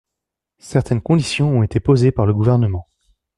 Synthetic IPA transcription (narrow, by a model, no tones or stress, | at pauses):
sɛʁt̪ɛnkɔ̃d̪isjɔ̃ɔ̃et̪epozepaʁləɡuvɛʁnəmɑ̃